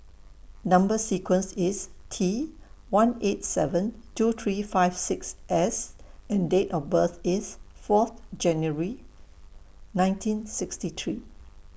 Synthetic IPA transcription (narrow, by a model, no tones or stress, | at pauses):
nãmbəsikwə̃nsɪstʰi | wãnet̚sɛvə̃ntut̪ʰɹifaɪv̥sɪksʔɛsɛ̃ndetɔfbəθɪsfɔθd͡ʒɛ̃njəɹi | nãɪj̃ntʰĩnsɪkstit̪ʰɹiː